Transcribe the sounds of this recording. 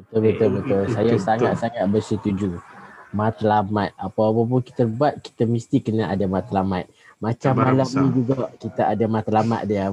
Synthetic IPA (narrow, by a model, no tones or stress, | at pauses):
bət̪ʊlbət̪ʊlbət̪ʊlsajasaŋat̪̚saŋat̪̚bərsət̪ud͡ʒumãt̪əlamat̪̚apawapap̬ʊnki̥t̪ərbuat̪̚ki̥t̪amist̪ikənaʔadamat̪əlamat̪̚mat͡ʃamːalamɲĩd͡ʒuɡakit̪aʔadamat̪lama̰t̪̚dia